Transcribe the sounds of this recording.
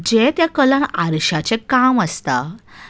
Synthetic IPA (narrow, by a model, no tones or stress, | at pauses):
d͡ʑɛt̪jakəlãnaɾɕat͡ɕɛ̃kaməst̪a